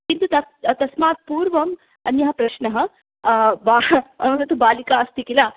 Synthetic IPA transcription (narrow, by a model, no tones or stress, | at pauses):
kint̪ut̪at̪t̪ɐsmaːt̪̚puːɾʋɐm | ɐ̰njɐɦɐpɾɐʃnɐɦə̆ | baɐʋɐnɐt̪ubaːlikaɐst̪ikilaː